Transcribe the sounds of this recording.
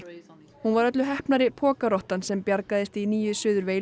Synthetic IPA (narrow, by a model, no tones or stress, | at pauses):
hunvaɾœt̪lʏɦɛhpnaɾɪpʰɔːkaɾɔht̪ansɛmpjaɾkaðɪst̪iniːjʏsʏːðʏɾvej